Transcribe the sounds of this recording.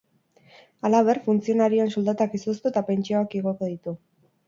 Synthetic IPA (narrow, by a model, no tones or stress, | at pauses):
alaβ̞e̞rfunt͡sio̞naɾionsuld̪at̪akisust̪ut̪ape̞nt͡ʃioakiɣo̞koðit̪u